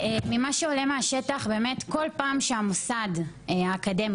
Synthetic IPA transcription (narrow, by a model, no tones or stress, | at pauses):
mimaʃeole̞meaʃe̞taχbe̞ːme̞tko̞lpaːmʃeamosad | aːkade̞mi